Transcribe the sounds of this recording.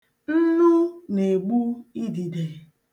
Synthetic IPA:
n̩˦nu˦ne˨ɡ͡bu˦i˦di˨de˨

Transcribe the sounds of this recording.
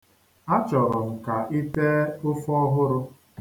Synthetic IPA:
a˦t͡ʃɔ˨ɾʊ˨m̩˨ka˨ʔi˦te˦ʊ˦fɔ˦ɦʊ˦ɾʊ˦

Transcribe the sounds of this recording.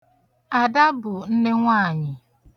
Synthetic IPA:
a˨da˦bʊ˨n̩˦ne˦ŋʷaː˦˨ɲɪ˨

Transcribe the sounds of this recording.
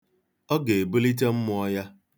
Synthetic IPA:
ɔ˦ɡe˨e˨bu˦li˦t̬e˦m̩˦mʊ˦ɔ˦ja˦

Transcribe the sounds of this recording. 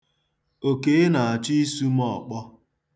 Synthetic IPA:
o˨ke˨˦na˨a˨t͡ʃi˦i˦su˦m˦ɔ˨k͡pɔ˦

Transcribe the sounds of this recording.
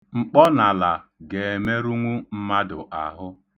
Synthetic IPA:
ŋ͡m̩˨k͡pɔ˦na˨la˨ɡe˨e˨me˦ɾu˦ŋʷu˦m̩˦ma˦dʊ̰˨ʔa˨ɦʊ˦

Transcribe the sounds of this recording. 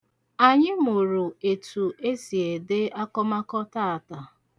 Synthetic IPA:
a˨ɲɪ˦m̩˦˨o˨ɾu˨e˨tu˨e˦si˨e˨de˦a˦kɔ˦ma˦kɔ˦ta˦˨a˨ta˨

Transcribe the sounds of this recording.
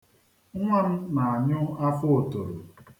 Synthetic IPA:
ŋʷa˦m̩˦na˨a˨ɲʊ˦a˦fʊ˦˨to˨ɾʊ˨

